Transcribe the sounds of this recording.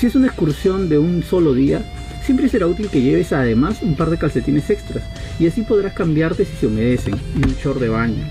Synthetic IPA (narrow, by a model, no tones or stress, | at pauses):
sie̞sunaekskuɾsjo̞nd̪e̞unso̞lo̞ðia | sje̞mpɾeseɾaut̪ilke̞ʝe̞βesað̞e̞masumpaɾð̞ekalse̞t̪inese̞kst̪ɾas | iasipo̞ð̞ɾaskambjaɾt̪e̞siseomeð̞e̞se̞ŋunt͡ʃo̞ɾðe̞βaɲo